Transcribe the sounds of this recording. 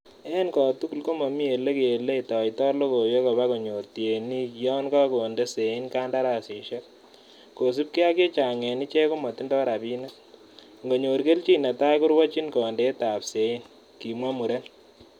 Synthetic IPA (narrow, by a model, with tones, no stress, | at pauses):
ɛ˦nkɔ˨tu˦ku˨lko˦mo˨mi˦e˨le˦ke˨e˨le˦i˨tɔ˨i˨tɔ˦lo˦ko˨jo˦ko˨βa˦ko˨ɲo˨rtje˨ni˦jɔ˦nka˦ko˨nde˦se˨i˦nka˦nda˦ɾa˨si˨ʃe˦k̚ | ko˨s̬u˦p̚ki˦a˦k̬e˦t͡ʃa˨ŋɛ˨ni˦t͡ʃɛ˦ko˦mɔ˨ti˦ndɔ˦ɾa˨bi˦na˦ | ŋɡo˨ɲo˨ɾke˦lt͡ʃi˦na˨ta˦jkʊ˦ɾwɔ˦t͡ʃi˦nkɔ˨nde˦ta˨pse˨i˦n | ki˨mwa˦mu˨ɾe˦n